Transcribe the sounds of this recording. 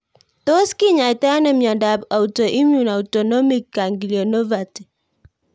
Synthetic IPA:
to˦ski˦ɲa˨i˨tɛ˦a˦no˦˨mijɔ˨da˨ba˨wu˨to˨ʔi˦mju˨na˨u˨to˨no˦mi˨kːa˨ŋɡi˨li˨o˨no˦va˨ti˨

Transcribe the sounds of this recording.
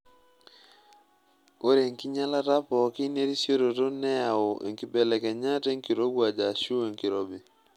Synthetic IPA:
o˦ɾe˨ŋki˦ɲa˦la˦ɾa˦pɔ˨ki˦ne˦ɾi˦sjo˦ɾo˨ɾo˦nɛ˦a˨o˨ʔḛ˨ŋki˦bɛ˨lɛ˨kɛ˨ɲa˦te˦ŋki˨ɾo˦ɡwa˨d͡ʒa˨ʃu˦e˨ŋki˨ɾo˦bi˨

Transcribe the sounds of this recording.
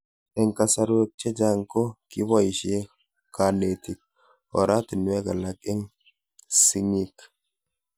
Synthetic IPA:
e˨ŋka˨sa˦ɾwe˦k̚t͡ʃe˦d͡ʒa˦˨ŋko˦ki˦ba˦i˨ʃe˦ | ka˨le˨t̪i˨k̚ | ɔ̰˨ɾa˦t̪i˨n˨we˦ka˨la˨ke˦ŋ | si˦ni˦k

